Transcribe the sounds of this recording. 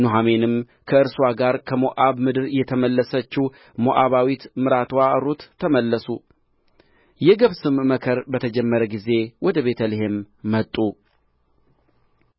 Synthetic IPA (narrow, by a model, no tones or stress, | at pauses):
noɦame̞nɨm | kʰəɨɾswaɡaɾkʰəmoʔaβmɨd̪ɨɾjɛt̪ʰəməlːəsət͡ʃːi | moʔaβawit̪mɨɾat̪waɾot̪ʰːəməlːəsu | jɛɡəβsɨmːəkʰəɾbət̪ʰəd͡ʒɛmːəɾəɡize̞wɔd̪əβe̞t̪ʰəliɦemː | ət̪ʼːu